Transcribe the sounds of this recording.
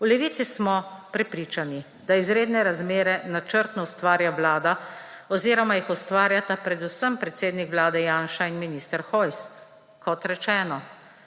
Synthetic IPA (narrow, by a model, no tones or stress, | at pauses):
ulɛʋiːt̪sismɔpɾɛpɾiːt͡ʃani | d̪̥aizɾeːd̪nɛɾazmeːɾɛnat͡ʃəɾt̪nɔwst̪ʋaːɾjaʋlaːd̪a | ɔziːɾɔmajixɔst̪ʋaːɾjat̪apɾɛd̪usəmpɾɛt̪seːd̪nikʋlaːd̪ɛjaːnʃainminist̪əɾxɔjs | kɔt̪ɾɛt͡ʃɛːnɔ